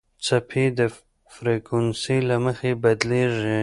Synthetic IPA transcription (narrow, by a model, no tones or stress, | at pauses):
t͡sapʰed̪ə | fɾekwənsilaməxebad̪leʐi